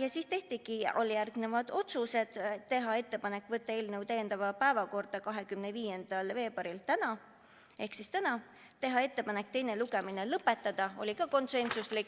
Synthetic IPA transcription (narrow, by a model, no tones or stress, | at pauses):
jɑsist̪e̞ht̪iɡ̥io̰lijærɡne̞vɑd̪̥o̞t̪suse̞d̪̥t̪ːe̞ɦɑe̞t̪ːe̞pɑnekːˑvɤt̪ːɑe̞ːlne̞wt̪ejend̪̥ɑvɑpæevɑko̞rd̪̥ɑkɑɦe̞kymne̞viːje̞nd̪̥ɑlve̞ːb̥ɑɾilt̪ænɑ | e̞hksist̪ænɑ | t̪e̞ɦɑe̞t̪ːe̞pɑnekt̪e̞jne̞luɡe̞minelɤpːˑe̞t̪ːɑd̪̥ɑo̞̰lʲikɑko̞nse̞nsuslik